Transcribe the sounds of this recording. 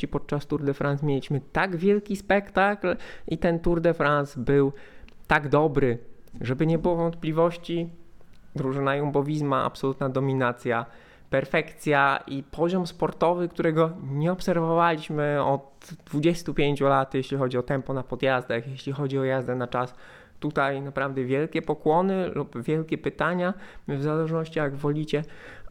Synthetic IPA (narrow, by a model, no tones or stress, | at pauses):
ipɔt̪̚t͡ʂast̪uɾd̪ɛfɾʔansmʲjelʲiɕmɘt̪aɡvʲjɛlkʲispɛkt̪aklit̪ɛnt̪uɾd̪ɛfɾansbɘwt̪aɡd̪ɔbɾɘ | ʐɛbɘɲɛbɘwɔvɔnt̪̚plʲivɔɕt͡ɕi | d̪ɾuʐɘnajɔmbɔvʲizmaa̰psɔlut̪nad̪ɔmʲinat̪sʲja | pɛɾfɛkt̪sʲjaʔipʰɔʑɔmspɔɾt̪ɔvɘkt̪uɾɛɡɔɲɛɔpsɛɾvɔvalʲiɕmɘɔd̪ | d̪vud͡ʑɛst̪upʲjeɲt͡ɕulat̪jeɕlʲixɔd͡ʑiɔt̪ɛmpɔnapɔd̪jazd̪axjeɕlʲixɔd͡ʑiɔjazd̪ɛnat͡ʂas | t̪ut̪ajnapɾavd̪ɛvʲjɛlkʲɛpɔkwɔnɘlupvʲjɛlkʲɛpɘt̪aɲavzalɛʐnɔɕt͡ɕijaɡvɔlʲit͡ɕɛ